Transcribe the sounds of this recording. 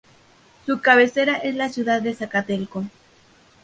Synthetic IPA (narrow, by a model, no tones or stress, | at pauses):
sukaβe̞seɾaʔe̞slasjuðaðːesakat̪elko